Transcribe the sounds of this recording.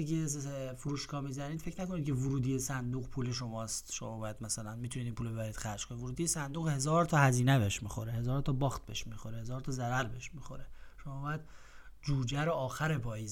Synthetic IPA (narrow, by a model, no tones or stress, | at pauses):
ikesfuɾuːʃkʰɒːmiːzænid̪fecʰnæko̞nid̪̚kʲʰe̞voɾuːd̪iːjesænd̪uːɣpʰuːleʃo̞mɒːst̪ʃo̞̰mɒːbɒːjæd̪̥mæsælænmit̪ʰunid̪ipʰuːlobeæɾiːd̪̥xæɾd͡ʒ̥kʰonivoɾuːd̪iːjesænd̪uːɣhe̞zɒːɾt̪ʰɒːhæziːnebeʃmiːxoɾeɦezɒːɾt̪ʰɒːbɒːxt̪̚beeʃmiːxoɾehezɒːɾt̪ʰɒːzæɾæɾbeheʃmiːxo̞ɾeʃomɒːbɒːjæd̪̥ | d͡ʒuːd͡ʒæɾoɒːxæɾepʰɒːjiːz